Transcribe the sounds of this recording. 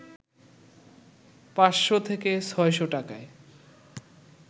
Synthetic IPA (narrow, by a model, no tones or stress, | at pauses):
pasʃot̪ʰekesʰɔeʃoʈakae